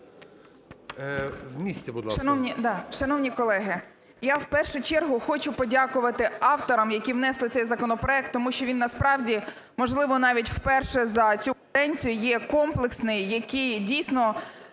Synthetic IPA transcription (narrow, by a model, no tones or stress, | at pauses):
wmʲisʲt͡sʲɛbud̪lˠʃʃɐnɔwnʲid̪ɑʃɐnɔwnʲikɔlˠɛɦɪ | jawpɛrʃʊt͡ʃɛrɦʊxɔt͡ʃʊpɔdʲakʊʋɐt̪ɪɑwt̪ɔɾɐmjɐkʲiwnɛslˠɪt̪sɛjzɐkɔnɔpɾɔɛk̚t̪ːɔmuʃt͡ʃɔʋʲinːɐspɾɑwdʲi | mɔʒlˠɪʋɔnɑʋʲitʲw̥pɛrʃɛzɐt͡sʲud̪ɛnʲt͡sʲijʊjɛkɔmplˠɪksnɪjjɐkʲidʲijsʲnɔ